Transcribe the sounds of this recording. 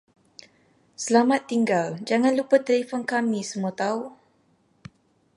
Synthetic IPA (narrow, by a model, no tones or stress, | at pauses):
səlamat̪ːiŋɡald͡ʒaŋãnlupət̪əlefɔnkamĩsəmuət̪au